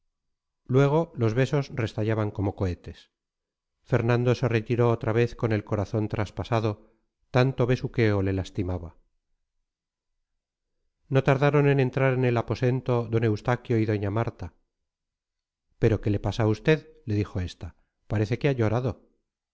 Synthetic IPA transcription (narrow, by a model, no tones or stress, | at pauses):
lwe̞ɣ̞o̞lo̞zβe̞so̞sre̞st̪aʝaβaŋko̞mo̞ko̞e̞t̪e̞s | fe̞ɾnãnd̪o̞se̞ret̪iɾo̞ːt̪ɾaβe̞θko̞ne̞lko̞ɾaθo̞nt̪ɾaspasaðo̞ | t̪ant̪o̞βe̞suke̞ole̞last̪imaβa | no̞t̪aɾðaɾo̞ne̞ne̞nt̪ɾaɾe̞ne̞lapo̞se̞nt̪o̞ðo̞ne̞wst̪akjo̞iðo̞ɲamaɾt̪a | pe̞ɾo̞ke̞le̞pasaust̪e̞ðle̞ðixo̞e̞st̪a | paɾe̞θe̞keaʎo̞ɾaðo̞